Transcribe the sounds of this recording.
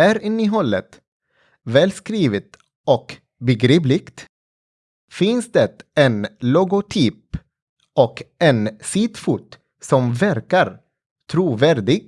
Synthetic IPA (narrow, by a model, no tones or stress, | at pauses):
æɾɪnːɪɦɔlːət̪ | vɛːlskɾiːvət̪ | ɔk | bɛɡɾiːplɪkt̪ | fɪnsd̪ɛt̪ɛnlʊɡʊt̪ʰyːp | ɔkɛnsiːt̪fuːt̪ | sɔmvæɾkaɾ | t̪ʰɾuːvæɾɖɪɡ̚